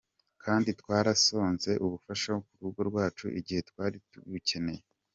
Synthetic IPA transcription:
kʰaːnditkwaːɾaso̞ːnze̞ʔuβufaʃahokuɾuɡo̞ɾɡwaːt͡ʃṵʔḭɟihe̞twaːɾituβice̞ne̞je

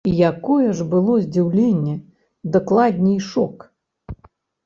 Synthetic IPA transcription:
ijakɔjɛʐbɨlˠɔzʲd͡zʲiwlʲenʲːɛ | d̪ɐklˠad̪ʲnʲijʂɔk

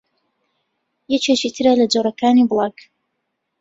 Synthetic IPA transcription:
jɛt͡ʃet͡ʃit̪ʰɨɾalɐd͡ʒoɾɐkaːniblˠɑk

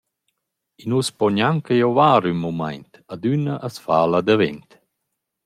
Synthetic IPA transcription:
inuspɔɲaŋkəjɔvaːɾynmuma̰jnt̪ad̪ynəʔasfaːlad̪əvɛ̰nt̪

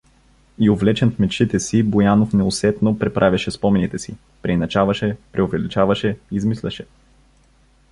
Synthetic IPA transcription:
iovlɛt͡ʃɛnfmɛt͡ʃit̪ɛsibojanofnɛʊsɛt̪nopɾɛpɾʔavʲɛʃɛspɔmɛnit̪ɛsi | pɾɛnɐt͡ʃavɐʃɛpɾɛʊvɛlit͡ʃavɐʃɛiːzmislʲɛʃɛ

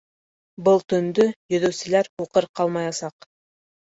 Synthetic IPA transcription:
bɤlˠt̪ɵ̆nd̪ɵjɵ̆ðɵ̆wsɘ̆læɾuqɤɾqɑlˠmɑjɑsɑq

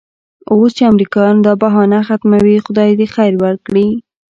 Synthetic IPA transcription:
ost͡ʃeamɾikɑjɑnd̪ɑbaɦɑnaxat̪mawixʊd̪ɑjd̪exajɾwəɾkɽi

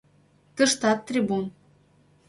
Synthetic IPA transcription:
t̪ɤ̆ʃt̪ɑt̪ːrʲibun

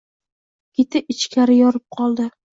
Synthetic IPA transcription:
kʲet̪ʰɪɪt͡ʃkʲʰaɾɪjɒɾɪp̚qʰɒlˠd̪ɪ

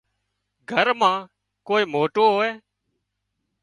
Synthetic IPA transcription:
ɡʱəɾmãː | koːiːmoːʈoːɦoːeː

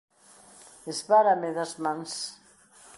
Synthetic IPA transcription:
ezβaɾameðazmans

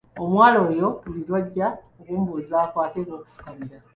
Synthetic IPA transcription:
omwaːlo̞ːjobulilwaɟːaokuːmbuːzaːkwaːteɾoːku̥fu̥kamiɾa

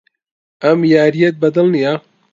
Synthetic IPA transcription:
ɐmjaːɾijɛt̪̚bɐd̪ɨlnija

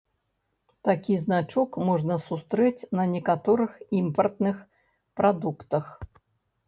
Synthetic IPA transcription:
t̪akʲiznat͡ʂukmɔʐnɐsust̪ɾɛt͡sʲnɐnʲɛkat̪ɔɾɨximpɐrt̪nɨx | pɾad̪ukt̪ɐx

